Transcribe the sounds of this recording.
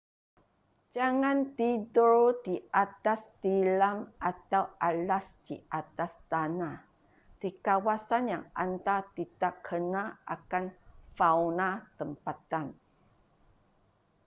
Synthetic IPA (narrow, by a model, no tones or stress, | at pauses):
d͡ʒaŋãnt̪idɔdiat̪ast̪ilamat̪awʔalasdiʔat̪ast̪ana | d̥ikawasanjaŋant̪at̪it̪akʰənaʔa̰kanfawnat̪əmpat̪an